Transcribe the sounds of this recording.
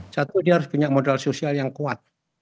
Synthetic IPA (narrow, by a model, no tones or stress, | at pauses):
sat̪udiahaɾʊspuɲaʔmodalsosialjaŋkuat̪̚